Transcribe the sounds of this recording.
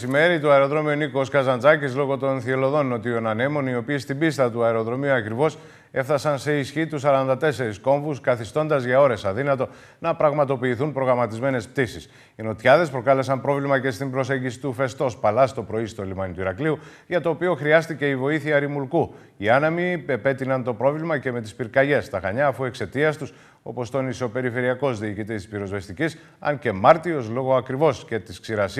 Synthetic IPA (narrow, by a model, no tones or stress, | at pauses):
sime̞ɾit̪uɐeɾo̞ðɾo̞miunikoskɐzɐnd͡zɐcizlo̞ɣo̞t̪o̞nθielo̞ðo̞no̞t̪io̞nɐne̞mo̞nio̞piːst̪ibist̪ɐt̪uɐeɾo̞ðɾo̞miuɐkɾivo̞s | e̞fθɐsɐnse̞isçit̪usːɐɾɐnd̪ɐt̪e̞se̞ɾisko̞ɱvuskɐθist̪o̞nd̪ɐzʝɐo̞ɾe̞sɐðinɐt̪o̞ | nɐpɾɐɣmɐt̪o̞piːθunpɾo̞ɣɾɐmɐt̪izme̞ne̞spt̪isis | ino̞t̪çɐðe̞spɾo̞kɐle̞sɐmpɾo̞vlimɐce̞st̪imbɾo̞se̞ɲɟisi̥t̪ufe̞st̪o̞spɐlɐst̪o̞pɾo̞ist̪o̞limɐnit̪uiɾɐkliu | ʝɐt̪o̞ːpio̞xɾiɐst̪ice̞ivo̞iθiɐɾimulku | iɐnɐmiepe̞t̪inɐnt̪o̞pɾo̞vlimɐce̞me̞t̪ispiɾkɐʝe̞st̪ɐxɐɲɐːfue̞kse̞t̪iɐst̪us | o̞̰po̞st̪o̞niso̞pe̞ɾife̞ɾiɐko̞zðiːcit̪̬it̪i̥spiɾo̞zvest̪icis | ɐ̰nce̞mɐɾt̪iɾo̞slo̞ɣo̞ɐkɾivo̞sce̞t̪isksiɾɐs